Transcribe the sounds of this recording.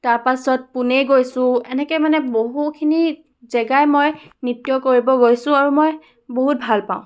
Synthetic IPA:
taɹpasɔt̚punejɡojsʊ̃ɛnɛkɛjmanɛboɦukʰini | zɛɡajmojnitːjɔkoɹibɔɡojsʊ̃aɹumoj | boɦut̚bʱalpãʊ̃

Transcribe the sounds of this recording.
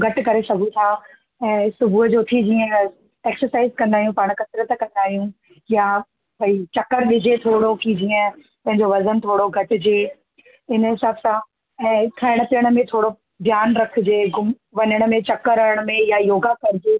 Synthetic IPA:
ɡʱɐʈɪ̆kɐɾesɐɡʱũt̪ʰaː | ɛ̃ːsʊbʱuɦəd͡ʑot̪ʰid͡ʑiːə̃ | eːksəɾsaːɪzkɐ̃nd̪aːɦijũpaːɽ̃kɐsɾət̪kɐ̃nd̪aːɦijũ | ja | bɐit͡ɕɐkəɾʋɪd͡ʑʱet̪ʰoːɽokid͡ʑiːə̃ | pɐ̃ɦɪ̃ɲd͡ʑoʋɐzənt̪ʰoːɽoɡʱɐʈɪ̆d͡ʑeː | ɪnəɦɪsaːbsã | ɛ̃ːk̪ʰɐɪɽ̃pijəɽ̃mẽt̪ʰoːɽo | bʱjaːnɾɐkʰɪd͡ʑeːɡʊm | ʋɐɲəɽ̃ə̆mẽt͡ɕɐkəɾɐɾəɽ̃ə̆mẽjajoːɡakɐɾɪd͡ʑeː

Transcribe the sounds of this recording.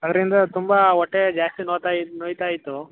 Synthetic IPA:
ɐd̪ɐɾind̪ɐt̪umbɐɔʈːed͡ʒaːst̪inoːt̪ajnoːjt̪aːjit̪ːu

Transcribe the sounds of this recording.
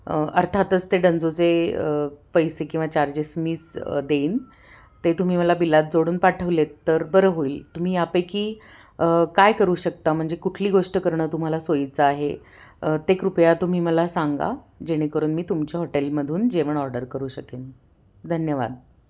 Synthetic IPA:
ə̰ɾt̪ʰat̪ət͡st̪eɖənd͡zot͡seəpəjsekĩw̃ʋat͡ɕaɾd͡ʑesmisd̪eiːn | t̪et̪um̤iːməlabilːat̪̚d͡zoɽuːnpaʈʰəʋlet̪ːəɾbəɾəɦoiːlt̪um̤iːapəjkiːəkajkəɾuːɕək̚t̪am̤əɳd͡zekuʈʰliːɡoʂʈəkəɾɳəːt̪um̤alasoit͡səaɦe | ət̪ekɾupjat̪um̤iːməlasaŋɡa̰ | d͡ʑeɽ̃ekəɾuːnmiːt̪umt͡ɕaɦoʈelməd̪ʱuːnd͡ʑeʋəɳɔɾɖəɾkəɾuːɕəken | d̪ʱənjəʋa̰d̪

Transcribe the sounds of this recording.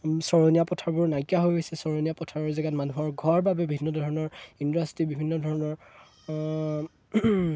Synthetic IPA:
sɔɹoniapɔtʰaɹbʊɹnajkjaɦojɦojsɛsɔɹonijapɔtʰaɹɔɹzɛɡatmanuɦɔɹɡʱɔɹbabɛbibʱinːɔdʱɔɹɔnɔɹindastɹibibʱinːɔdʱɔɹɔnɔɹ

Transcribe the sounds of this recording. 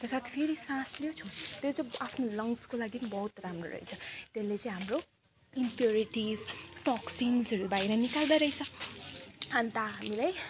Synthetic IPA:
t̪esat̪ʰpʰeɾisãsliot͡sʰut̪jot͡sʌ̃apʰnolʌŋskolaɡibʌɦut̪ramro̰ɾʌ̰ɦḭt͡sʰʌt̪elːet͡sʌĩɦamro | impjoɾiʈizʈɔksinzʌɾubajɾʌnikald̪aɾʌɦit͡sʰʌ | ant̪aɦamilaj

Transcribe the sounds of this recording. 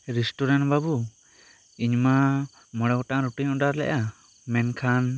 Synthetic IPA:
ɾisʈuɾanʈbabu | iɲma | mɔɽɛwɔʈaʔɾuʈiɲɔ̃ɖaɾlɛ̰ʔa | mɛnkʰan

